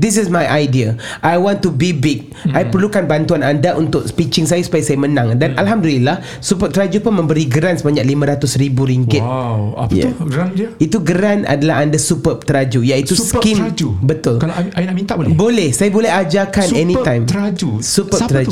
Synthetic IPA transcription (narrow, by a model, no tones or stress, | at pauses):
d̪ɪs̬ɪsmajʔajdiaʔajwɔ̃nt̪ːubibiɡ̚ | ajpərlukanbant̪uanandaʔunt̪ʊk̚pit͡ʃɪŋsajasu̥pajasajamənãŋdanʔalɦamdulilah | supəp̚t̪əɾad͡ʒupʊnmə̃mbəɾiɡəɾansəbaɲaʔlimãɾat̪ʊsɾibuɾiŋɡɪt̪̚ | ɡanit̪uɡəɾana̰dalaɦandasupəp̚t̪əɾad͡ʒujait̪uskimd͡ʒubət̪ʊlkalajnaʔmĩnt̪abolbolɛhsajabolɛɦad͡ʒakanɛnĩt̪ãjmad͡ʒusupət̪əɾa